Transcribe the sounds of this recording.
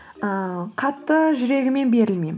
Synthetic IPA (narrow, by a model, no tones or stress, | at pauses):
əqʰɑt̪ːəʒʏɾe̞ɡʲɪme̞nbe̞ɾɪlmejm